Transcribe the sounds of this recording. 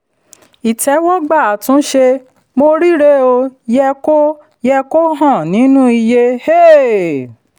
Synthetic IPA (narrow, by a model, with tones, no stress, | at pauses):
i˨tɛ˨˦wɔ̃˦ɡ͡ba˦˨a˨tũ˦ʃe˧ | mo˧ɾi˦ɾe˦o˧jɛ˧ko˦ | jɛ˧ko˦ɦã˦˨nĩ˨˦nũ˦i˧je˧he˦